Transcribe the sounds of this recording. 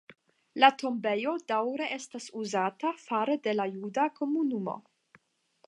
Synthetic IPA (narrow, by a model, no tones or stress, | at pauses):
latʰo̞mbejo̞dawɾe̞ʔestasuzatafaɾede̞lajudako̞munumo̞̰